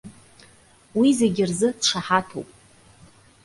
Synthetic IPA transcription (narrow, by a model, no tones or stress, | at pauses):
wizeɡʲɪrzɨdʈ͡ʂʰaħatʰo̰wpʼ